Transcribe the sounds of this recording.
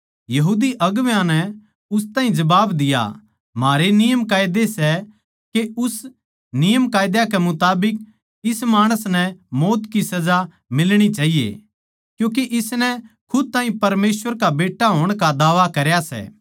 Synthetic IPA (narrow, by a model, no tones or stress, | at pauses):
jɐɦuːd̪iʔɐɡʋjãnɛ | ʊst̪aːɦĩd͡ʒɐbaːbd̪ɪja̰ | maːɾenɪjəmkaːɪd̪esɛ | keʊs | nɪjəmkaːjd̪jakɛmʊt̪aːbɪk̚ | ɪsmaːɽ̃əsnɛmoːt̪kisɐd͡ʒa | mɪlɽ̃it͡ʃaːɦijḛ | kjũːk̬eʔɪsnɛ | kʰʊd̪̚t̪ãːɦĩpɐɾmeːsʋəɾkabeːʈːaɦoːɽ̃kad̪aːʋakɐɾjasɛ̰ː